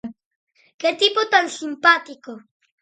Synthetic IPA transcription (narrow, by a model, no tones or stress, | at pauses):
ket̪ipot̪ansimpat̪iko